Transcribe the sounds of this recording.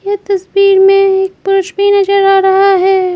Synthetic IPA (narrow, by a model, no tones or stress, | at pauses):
jet̪ɐsbiːɾmẽeːk̚pʊɾʊʃbinɐd͡ʒəɾaːɾɐɦaɦɛː